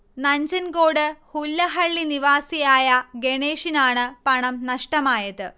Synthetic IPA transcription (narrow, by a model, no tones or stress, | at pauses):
nɐɲd͡ʑɐnkoːɽɨhulːɐɦɐɭːiniʋaːsijaːjɐɡeɳeːʂinaːɳɨpɐɳɐmnɐʂʈɐmaːjɐðɨ